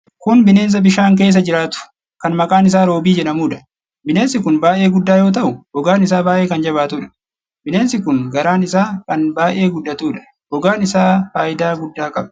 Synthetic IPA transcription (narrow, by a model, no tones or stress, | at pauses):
kʊnbɪneːns̬ɐbɪʃaːŋk̬e̞ːs̬ːɐd͡ʒɪɾaːt̪ʊ̥ | kɐnmɐkʼaːnɪs̬aːɾo̞ːbiːd͡ʒɛᶑɐmuːᶑɐ̥ | bɪne̞ːnsɪkʊnbaːʔe̞ːɡʊdːaːjo̞ːt̪̬ɐʔʊhɔɡaːnɪs̬aːbaːʔe̞ːkɐnd͡ʒɐbaːt̪uːᶑɐ̥ | bɪne̞ːnsɪkʊŋɡɐɾaːnɪsaːkɐnbaːʔe̞ːɡʊᶑːɐt̪uːᶑɐ̥ | hɔɡaːnɪsaːfaːʔɪd̪aːɡʊdːaːkʼɐbɐ